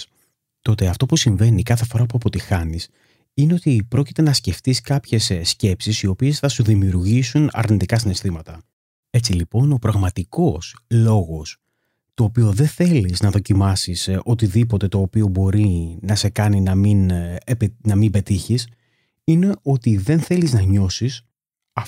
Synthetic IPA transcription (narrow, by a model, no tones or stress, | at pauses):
t̪o̞t̪eɐft̪o̞pusiɱve̞nikɐθe̞fo̞ɾɐpuɐpo̞t̪ixɐnis | ine̞o̞t̪ipɾo̞ci̥t̪e̞nɐsce̞ft̪iskɐpçe̞ssce̞psisio̞pie̞sθɐsuðimiuɾʝisunɐ̰ɾnit̪ikɐsine̞st̪imɐt̪ɐ | e̞t͡silipo̞no̞pɾɐɣmɐt̪iko̞slo̞ɣo̞s | t̪o̞ːpio̞ðe̞θe̞liznɐðo̞cimɐsiso̞t̪iðipo̞t̪e̞t̪o̞ːpio̞bo̞ɾinɐse̞kɐninɐminpnɐmimbe̞t̪içis | ine̞o̞t̪iðe̞nθe̞liznɐɲo̞sis | ɐ